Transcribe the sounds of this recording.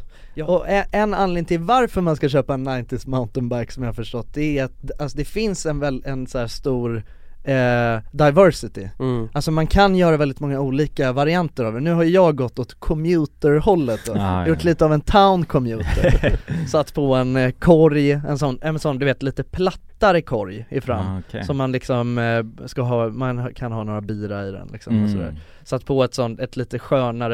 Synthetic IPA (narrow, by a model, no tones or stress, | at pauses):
ɔʔɛɛnːanleːnt̪ʰɪlvaɾfœɾmanskaɕøːpaɛnːaɪnt̪ɪsmaʊnt̪ənbæɾksɔmjahafœʂʈɔt̪̚ːd̪ɛæat̪̚d̪alsɔd̪ɛfɪnsɛnvɛlɛnsæːʂt̪uːɾ | d̪aɪvœɾsɪt̪ɪ̰alsɔmankʰanjœːɾavɛld̪ɪt̪mɔŋːauːliːkavaɾɪant̪əɾɑːvənʉ̟ːɦaɾjɵjɑːɡɡɔt̪ːɔt̪kʰɔmjʉ̟ːt̪əɾhɔlːət̪̚d̪ɔjʊʈʰːliːt̪əavɛnt̪ʰaʊnkʰɔmjʉːt̪ə̰ɾsɔat̪ːpʰɔɛnkʰɔɾjɛ̰nsɔnːɛmɛnsɔnd̪ɵveːt̪liːt̪əpʰlat̪ːaɾəkʰɔɾjɪfɾa̰mːsɔmːanlɪksɔmskaɦɑːmankʰanɦɑːnoːɾabiːɾaɪd̪ɛ̰nlɪ̰ksɔ̰mmɛsɔd̪æ̰ːɾ | sɔat̪ːpʰɔɛt̪sɔnt̪ɛt̪liːt̪əɧœːnaɾə